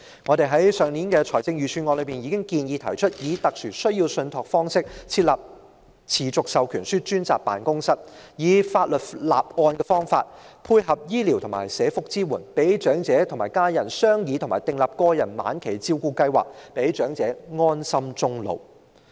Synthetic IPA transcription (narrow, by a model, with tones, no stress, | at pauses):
ŋɔː˨˧t̪e˨jɦɐ˨˥jsœː˨ŋniː˨˥nkɛː˧t͡ʃʰɔː˨˩jt͡sɪ˧ŋjyː˨t͡ʃʰyː˧nŋɔ˧lɵ˨˧pmiː˨˩njiː˨˧kɪ˥ŋkiː˨˧njiː˨˧t̪ʰɐ˨˩jt͡ʃʰɵ˥t̚jiː˨˧t̪ɐ˨k̚syː˨˩sɵ˥ɥjiː˧wsɵ˧nt̪ʰɔ˨kfɔː˥ŋsɪ˥k̚t͡sʰiː˧t̚lɐ˨p̚ | t͡sʰiː˨˩t͡sʊ˨k̚sɐ˨wkʰyː˨˩nsyː˥t͡ʃyː˥nt͡saː˨k̚pa̰ː˨nkʊ˥ŋsɐ˥t̚jiː˨˧faː˧t̚lɵ˨t̚la̰ː˨p̚ɔː˧nkɛː˧fɔː˥ŋfa̰ː˧t̚pʰuː˧jɦɐ˨p̚jiː˥li˨˩wt̪ʰʊ˨˩ma̰ː˨˩jsɛː˨˥fʊ˨k̚t͡siː˥wuː˨˩npe˨˥jt͡ʃœː˨˥ŋt͡sɛː˨˥t̪ʰʊ˨˩ŋmaː˨˩jkaː˥jɐ˨˩nsœː˥ŋjiː˨˧t̪ʰʊ˨˩ŋmaː˨˩t̪ɪ˨ŋlɐː˨p̚kɔː˧jɐ˨˩nma̰ː˨˥nkʰe˨˩jt͡siː˥wkuː˧kɐ˥jwa̰ː˨˩k̚pe˨˥jt͡ʃœː˨˥ŋt͡sɛː˨˥ŋɔː˥nsɐ˥mt͡sʊ˥ŋlo̰˨˧w